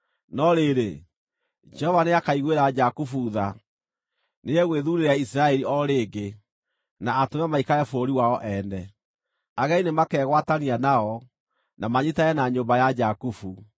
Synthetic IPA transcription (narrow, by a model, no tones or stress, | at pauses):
nɔɾeɾe | d͡ʒɛhɔvaneakaiɣweɾad͡ʒakufuːða | neɛɣweðuɾeɾaisɾaɛɾiɔɾeːɡe | naːtomɛmaikaɾɛfoɾiwaɔʔɛnɛ | aɣɛinemakɛɣwatanianaɔ | namaɲitaɛnaɲombajad͡ʒakufu